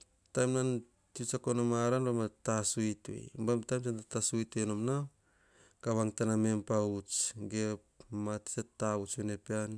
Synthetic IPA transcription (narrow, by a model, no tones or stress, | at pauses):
tajmnan | tit͡ʃakonomaɾanbamatasuito̰jbamtajmsantatasuitenomna | kaβaŋtanamempaut͡ʃɡepmati̥t͡ʃetːaut͡ʃonepean